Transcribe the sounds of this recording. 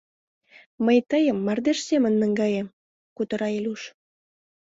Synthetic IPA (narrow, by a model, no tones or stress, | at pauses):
məjt̪əjəmːɑrd̪eʃsemənːəŋɡɑjem | kut̪əɾɑelʲuʃ